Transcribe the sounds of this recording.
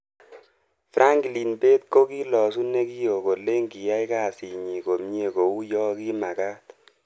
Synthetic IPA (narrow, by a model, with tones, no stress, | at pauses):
fɾʔa˦ŋɡli˨nbe˦t̪̚ko˦ki˦lɔ˨s̬u˦ne˦ki˦jo˨ko˨le˦ŋɡi˨ja˦ɪ˦ka˦˨si˨ɲi˨ko˨mɲe˦˨ko˨u˦jɔ˦ki˦ma˨ka˦t̪